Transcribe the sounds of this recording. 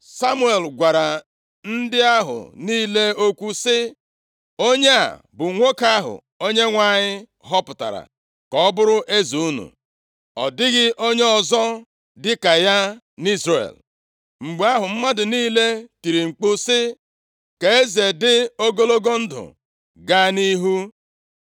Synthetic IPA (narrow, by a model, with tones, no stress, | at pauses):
sa˦mu˦e˨lɡʷa˨ɾa˨ | n̩˦dɪ˦a˦ɦʊ̰˨niː˦le˦o˦kʷu˦sɪ˦ | o˦ɲe˦a̰˨ | bʊ˨ŋʷo˦ka˦ɦʊ̰˨ | o˦ɲe˦ŋʷa˨ɲɪ˦ | ɦɔ˦pʊ˨ta̰˨ɾa̰˨ | kɔ˨˦bʊ˦ɾʊ˦ʔe˦zi˨u˦nṵ˨ | ɔ̰˨dɪ˦ɣɪ˦ʔo˦ɲe˦ɔ˨zɔ˦ | dɪ˦ka˨ja˦ | ni˦zrḛ˨l | ŋ͡m̩˨ɡ͡ba˦ɦʊ˨m̩˦ma˦dʊ˨niː˦le˦ti˨ɾi˨ŋ͡m̩˨k͡pʊ˦sɪ˦ | ke˨e˦ze˨dɪ˦o˦ɡo˦lo˦ɡo˦n̩˦dʊ̰˨ | ɡa˦ni˦ɦu˦